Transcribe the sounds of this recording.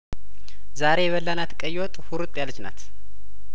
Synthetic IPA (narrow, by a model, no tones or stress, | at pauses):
zaɾe̞jɛβəlːanat̪kʼəjːwɔt̪ʼhuɾɨt̪ʼːjalːət͡ʃna̰t̪